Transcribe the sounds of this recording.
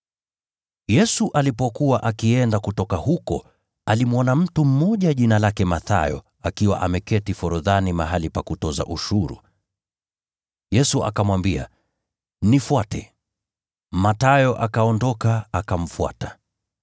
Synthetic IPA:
jɛsuʔalipɔkuwaʔakiɛndakutɔkahukɔ | alimwɔnam̩tum̩mɔʄaʄinalakɛmaθa̰jɔ̰ | akiwa̰ʔamɛkɛtifɔɾɔðanimaɦalipakutɔza̰ʔuʃuɾṵ | jɛsuʔa̰kamwambia̰ | nifwatɛ | matajɔʔakaɔndɔkaːkam̩fwa̰tḁ

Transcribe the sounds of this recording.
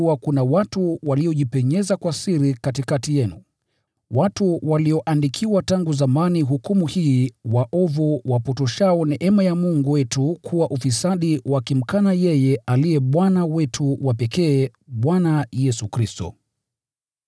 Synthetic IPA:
wakunawatuwaliɔʄipɛɲɛzakwasiɾikatikatijɛnṵ | watuwaliɔʔandikʰiwataŋɡuzamaniɦukumuhiːwaʔɔvuwapɔtɔʃaɔnɛʔɛmajamuŋɡuwɛtukʰuwaʔufisaɗiwakim̩kanajɛjɛʔaliɛɓwanawɛtʰuwapɛkɛː | ɓwanajɛsukɾistɔ̰

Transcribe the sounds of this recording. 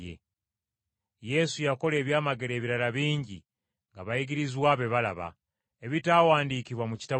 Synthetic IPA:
ḛ | je̞sujako̞le̞ːβjaːmaɡe̞ɾe̞ːβiɾalaβiːɲɟḭ | ŋɡaβaiɡiɾizwaːβe̞βala̰βa̰ | eβitaːwaːndiːciβwamuci̥ta

